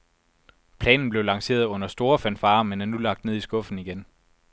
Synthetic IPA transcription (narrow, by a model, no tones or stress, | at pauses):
pʰlɛ̰ːnn̩b̥le̝ʊlɑ̈ŋse̝̰ːɐðˠɔ̽n̰ɐsd̥o̝ːɐfænfɑ̈ːmenæɐnulɑ̈ɡ̥̚d̥ne̝ð̰ˠisɡ̥ɔ̽fn̩iɡ̥en